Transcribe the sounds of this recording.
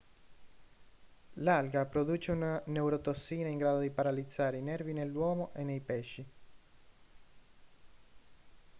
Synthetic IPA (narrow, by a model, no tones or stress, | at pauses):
lalɡapɾod̪uːt͡ʃeunanewɾot̪osːiːnaiŋɡɾaːd̪od̪ipaɾalid̪zːaːɾeinɛrvinelːwɔːmoʔenːejpɛʃːi